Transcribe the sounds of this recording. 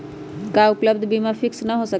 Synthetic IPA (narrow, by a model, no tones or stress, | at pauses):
kaʊpləb̚d̪ʱbimafʰɪksnəɦosək